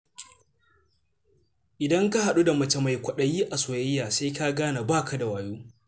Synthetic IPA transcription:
ʔɪ˨dɐ˦ŋka˦ha˨ɗu˦da˨mɐ˨t͡ʃɐ˨ma˨jkʷɐ˨ɗɐ˦ji˦ʔa˨soː˨jɐ˦jːaː˨se˦ka˦ɡaː˦na˨baː˦kʰa˨da˨waː˨juː˦

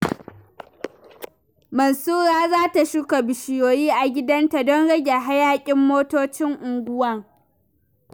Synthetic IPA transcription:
mɐ˨nsuː˦ɽaː˦zaː˦ta˨ʃʊ˦ka˨bɪ˨ʃɪ˨joː˨jiː˦ʔa˨ɡʲɪ˦dɐ˦nta˨dɔ˦nɽɐ˦ɡʲe˨ɦa˦jaː˦kʲʼɪ˦mːoː˦toː˦t͡ʃɪ˦ŋʔʊ˨ŋɡʷʊ˦wɐ˦ŋ

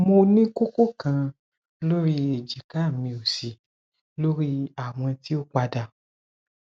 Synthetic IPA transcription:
mo˧nĩ˦ko˦ko˦kã˧ | lo˦ɾi˦e˨d͡ʒi˨ka˨˦˨mĩ˧o˨si˨ | lo˦ɾi˦a˦˨w̃ɔ̃˧ti˦o˦k͡pa˧da˧˨

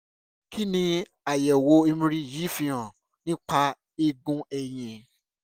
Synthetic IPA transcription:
kʰi˦nĩ˧ | a˨jɛ˨wo˧e˦˧mĩ˦ɾi˦ji˨˦fĩ˧ã˨ | nĩ˦k͡pa˧˦ | e˧ɡũ˦ɛ˨j̃ĩ˨

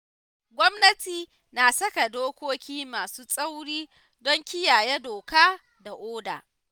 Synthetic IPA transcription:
ɡʷɔ˦mnɐ˦tiː˨ | naː˨sɐ˦ka˨doː˦kʷoː˦kʲiː˦maː˨suː˦sʼa˦wɽiː˦ | dɔ˦ŋkʲɪ˦jaː˨jɛ˦doː˨kaː˦ | da˨ʔoː˦da̰ː˨

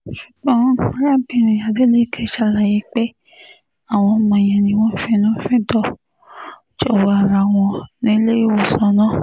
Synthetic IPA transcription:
ʃu̥˨ɡ͡bɔ̃˦ũ˨˦ɾa˦˨bĩ˨˦˨ɾ̃ĩ˨ja˨de˨˦le˦˨kʰe˦˨ʃa˦˨la˨je˨˦k͡pe˦ | a˦˨w̃ɔ̃˧˦mã˧˨j̃ɛ̃˨nĩ˧w̃ɔ̃˦fɛ̃˦nã˦fɛ̃˦tɔ˦˨ | t͡ʃɔ˦˨wa˧a˨ɾa˨w̃ɔ̃˧nĩ˨˦le˦i˦˨wo˦˨sã˨˦nã˦˨

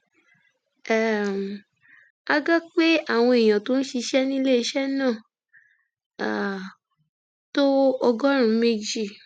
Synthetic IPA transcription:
ɛ˨m˨ | a˧ɡɔ˦k͡pe˦a˦˨w̃ɔ̃˧e˨j̃ã˨to˦ñ̩˦ʃi˧ʃɛ˦nĩ˦le˦i˧ʃɛ˦nãː˦˨ | a˨ | to˦ɔ˧ɡɔ˦ɾ̃ũ˨˦me˧d͡ʒi˦˨

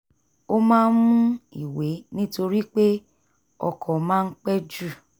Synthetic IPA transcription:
o˦mãː˦n̩˦mũ˦i˨we˨˦nĩ˦to˧ɾi˦k͡pe˦ | ɔ̰˧kʰɔ˨mãː˦˧n̩˦k͡pɛ˦d͡ʒu˦˨

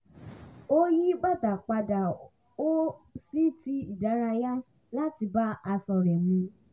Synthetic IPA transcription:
o˦ji˦ɡ͡ba˦˨ta˨k͡pa˧da˨ | o˦si˦ti˦i˦˨da˨˦ɾ̃a˧ja˦ | la˦ti˧ba˦ʔa˧sɔ˧ɾɛ˨mĩ˧

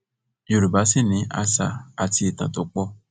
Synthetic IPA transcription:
jo˧ɾu˨ba˨˦si˦˨nĩ˨˦a̰˧sa̰˧˨a˨ti˧i˨tã̰˨to˨˦k͡pɔ˦

